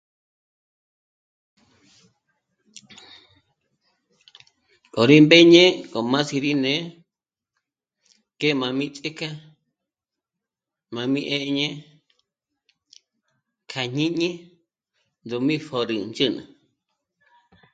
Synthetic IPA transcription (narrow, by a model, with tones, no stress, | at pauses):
kʼo˨ɾi˦mbe˦ɲẽ˦kʼo˨mã˦si˧ɾi˦nẽ˨˦ | ke˦mã˨mĩ˦t͡sʼi˦ka˦ | mã˨mĩ˦ʔe˦˧ɲẽ˦ | kʰa˨ɲĩ˦ɲĩ˦ | nd̪u˧mĩ˦fo˧ɾɨ˨nd͡ʒɨ˦nɨ̰̃˨